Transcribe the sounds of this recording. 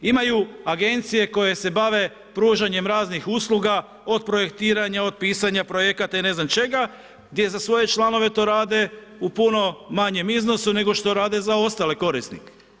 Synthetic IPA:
imajuaɡe̞nt̪sije̞ko̞jese̞baʋe̞ | pɾuːʒaɲe̞mɾaːznixuslˠuɡa | o̞d̪̚pɾo̞je̞kt̪iːɾaɲao̞d̪̚piːsaɲapɾo̞je̞kat̪aine̞znamt͡ʃe̞ɡa | ɡ̚d̪je̞zasʋo̞je̞t͡ʃlano̞ʋe̞t̪o̞ːɾaːd̪e̞upuno̞maɲe̞mizno̞sune̞ɡo̞ʃt̪o̞ɾaːd̪e̞zao̞st̪ale̞ko̞ɾist̪nḭke̥

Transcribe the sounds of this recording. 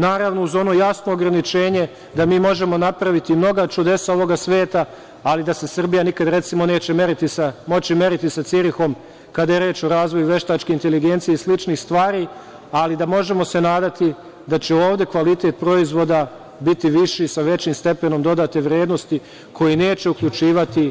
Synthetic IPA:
naːɾaʋno̞uzo̞no̞jasno̞ːɡɾanit͡ʃe̞ːɲe̞ | d̪amiːmo̞ʒe̞mo̞napɾaʋit̪imno̞ɡat͡ʃud̪e̞sao̞ʋo̞ɡasʋeːt̪aː | lid̪ase̞sr̩bijanikad̪ɾe̞t̪simo̞ne̞ːt͡ɕemeɾit̪isamo̞t͡ɕime̞ɾit̪isat̪siɾixo̞m | kad̪ajeɾe̞ːt͡ʃo̞ɾaːzʋo̞juʋeʃt̪aːt͡ʃkeint̪e̞liɡe̞nt̪sijeislit͡ʃnixst̪ʋaːɾiː | alid̪amo̞ʒe̞mo̞se̞naːd̪at̪i | d̪at͡ɕe̞o̞ːʋd̪e̞kʋalit̪e̞ːt̪̚pɾo̞izʋo̞d̪a | bit̪iʋiʃisaʋe̞t͡ɕiːmst̪e̞pe̞no̞md̪o̞d̪aːt̪e̞ʋɾje̞ːd̪no̞st̪i | kʰo̞jine̞ːt͡ɕe̞ukʎut͡ʃiːʋat̪i

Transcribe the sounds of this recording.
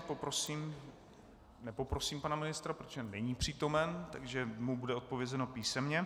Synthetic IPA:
popɾosiːm | nɛpo̞pɾo̞siːmpanamɪnɪst̪ɾapɾot̪oʒɛnɛɲiːpr̝̥iːt̪o̞mɛnt̪a̰ɡʒɛmubudɛo̞t̪̚po̞vjɛzɛno̞piːsɛmɲɛ

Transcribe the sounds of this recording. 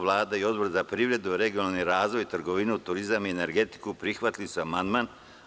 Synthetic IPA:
ʋlˠaːd̪aio̞d̪boɾzapɾiːʋɾe̞d̪uɾe̞ɡionalˠniɾaːzʋo̞jt̪r̩ɡo̞ʋinut̪uɾizamiene̞ɾɡe̞t̪i̥kupɾixʋat̪lisamand̪man

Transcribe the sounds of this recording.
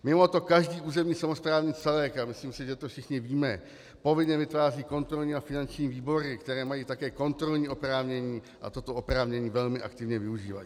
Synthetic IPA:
mɪmo̞t̪o̞kaʒdiːʔuːzɛmɲiːsamospɾaːvɲiːt͡sɛlɛːkamɪsliːmsɪʒɛt̪ofʃɪxɲɪviːmɛ | po̞vɪɲɛvɪt̪vaːriːko̞nt̪ɾo̞lɲiːafɪnant͡ʃɲiːviːbo̞ɾɪkt̪ɛɾɛːmajiːt̪akɛːko̞nt̪ɾo̞lɲiːʔo̞pɾaːvɲɛɲiː | ʔa̰t̪o̞t̪oopɾaːvɲɛɲiːvɛlmɪʔa̰kt̪ɪvɲɛvɪuʒiːva̰jḭː

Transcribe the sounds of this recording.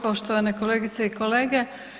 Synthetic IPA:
po̞ʃt̪oʋanekoleːɡit̪seikoleːɡe

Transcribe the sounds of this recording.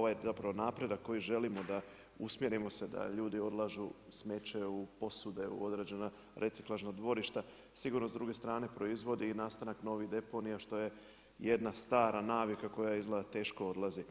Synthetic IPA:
oajzapɾaʋo̞naːpɾe̞d̪akːo̞jiʒe̞limo̞d̪a | usmje̞ɾimo̞se̞d̪a̰ʎuːd̪io̞d̪lˠaʒusme̞t͡ʃe̞upo̞sud̪e̞ṵo̞d̪ɾe̞ːd͡ʑe̞na | ɾʔe̞t̪si̥klˠaʒnad̪ʋo̞ɾiʃt̪a | siɡuɾnozd̪ɾuːɡe̞st̪ɾaːne̞pɾo̞izʋo̞d̪iːnaːst̪anakno̞ʋid̪e̞po̞nijaʃt̪o̞je̞ | jed̪nast̪aːɾanaːʋikako̞jaizlˠad̪at̪e̞ːʃko̞o̞d̪lˠazi

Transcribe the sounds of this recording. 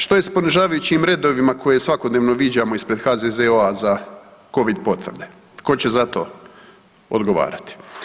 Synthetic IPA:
ʃt̪o̞jespo̞niʒaːʋajut͡ɕimɾe̞d̪o̞ʋimako̞jesʋakod̪neːʋno̞ʋid͡ʑamo̞ispɾe̞d̪xazezeoazako̞ʋid̪po̞t̪ʋr̩d̪e̞ | ko̞t͡ɕe̞zat̪o̞̰ | o̰d̪ɡoʋa̰ːɾat̪i̥

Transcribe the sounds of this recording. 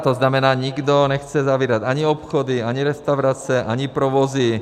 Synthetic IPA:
t̪ɔznamɛnaːɲiɡd̪ɔɲɛxt͡sɛzaʋiɾaɟaɲiɔpxɔd̪iaɲiɾɛst̪aʊɾat͡sɛʔaɲipɾɔʋɔzi

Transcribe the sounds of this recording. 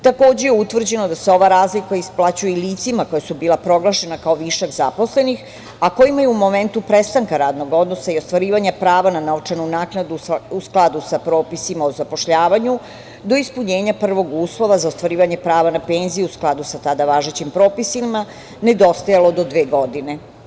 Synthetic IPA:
t̪ako̞ːd͡ʑejeut̪ʋr̩d͡ʑe̞nod̪aseo̞ʋaɾaːzlikaisplˠat͡ɕujeiliːt̪simako̞jasubiːlˠapɾo̞ɡlˠaʃe̞nakaoʋiʃaɡzapo̞sle̞nix | ako̞jimajeɛumo̞me̞nt̪upɾest̪aŋkaɾaːd̪no̞ɡo̞d̪no̞saio̞st̪ʋaɾiːʋaɲapɾaːʋananaot͡ʂenunaːknad̪uusklˠad̪usapɾo̞ːpisimaozapoʃʎaːʋaɲu | d̪o̞ispuɲe̞ːɲapr̩ʋo̞ɡuːslˠo̞ʋazaost̪ʋaɾiːʋaɲepɾaːʋanape̞ːnzijeusklˠad̪usat̪ad̪aʋaːʒet͡ɕimpɾo̞ːpisima | ne̞d̪o̞st̪ajalo̞d̪o̞d̪ʋeːɡo̞d̪ine̞

